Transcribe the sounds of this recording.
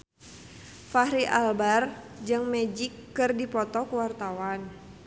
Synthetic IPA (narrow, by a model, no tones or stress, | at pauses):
fahɾiʔalbar | d͡ʒɨŋmɛd͡ʒikːɨrdipɔt̪ɔkəwart̪awan